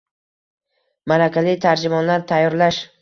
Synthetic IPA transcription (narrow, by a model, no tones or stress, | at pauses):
maɾakʲʰalɪt̪ʰaɾd͡ʒɪmɒnlaɾt̪ʰajːɒɾlaʃ